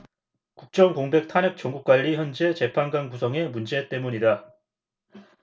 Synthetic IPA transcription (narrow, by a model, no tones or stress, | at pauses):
kuk̚t͡ɕ͈ʌŋkoŋbe̞k̚tʰanek̚t͡ɕ͈ʌŋɡuk̚k͈waʎːiçjʌnd͡ʑe̞t͡ɕe̞pʰanɡanɡusʰʌŋe̞mund͡ʑe̞t͈e̞muɲida